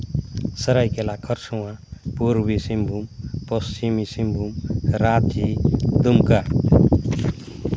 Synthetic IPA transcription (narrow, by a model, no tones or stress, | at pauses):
səɾajkelakʰʌɾsuwãpuɾbisimbʱumpʌst͡ʃimisimbʱumɾat̪id̪umka